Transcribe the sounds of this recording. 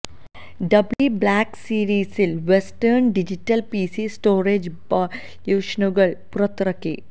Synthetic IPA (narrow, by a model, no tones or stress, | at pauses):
ɖɐbljublaːksiːɾiːsilʋesʈɐɾnɖid͡ʒiʈːɐlpiːsisʈoːɾeːd͡ʒbɐ | juːʂnuɣɐɭpuɾɐt̪ːɾɐkːḭ